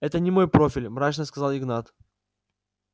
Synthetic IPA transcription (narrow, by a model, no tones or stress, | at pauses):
ɛt̪ənʲɪmo̞jpɾofʲɪlʲmɾat͡ɕnəskɐzalˠɪɡnat̪